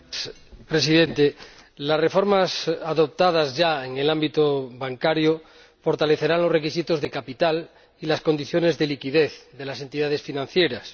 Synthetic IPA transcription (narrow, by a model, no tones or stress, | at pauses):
s | pɾe̞siðent̪elasre̞fo̞ɾmasaðo̞p̚t̪að̞azʝaeŋelambit̪oβaŋkaɾjo | fo̞ɾt̪ale̞θe̞ɾanlorekis̬it̪o̞zðe̞kapit̪al | ilasko̞nd̪iθjo̞ne̞zðe̞likiðeθðe̞lase̞nt̪iðað̞e̞sfinãn̟θjeɾas